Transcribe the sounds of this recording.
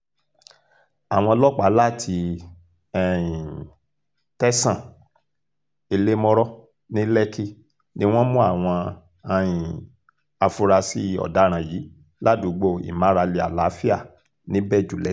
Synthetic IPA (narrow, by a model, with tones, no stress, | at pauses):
a˨w̃ɔ̃˧lɔ˦k͡pa˨˦la˦˨tʰi˧ | ɛ˦˨ĩ˨ | tɛ˦sã˦˨ | e˧le˦mɔ̃˦ɾɔ˦ | nĩ˦lɛ˦ki˦ | nĩ˦w̃ɔ̃˦mũ˦a˦˨w̃ɔ̃˧ | a˧jĩ˨ | a˧fu˧ɾa˧si˦˧ɔ̰˨da˨˦ɾ̃ã˨jiː˨˦ | la˦˨dũ˨˦ɡ͡bo˦˨ḭ˨mã˨˦ɾa˧le˧a̰˨la˨˦fi˦a˦˨ | nĩ˦bɛ˦˨d͡ʒu˨lɛ˨˦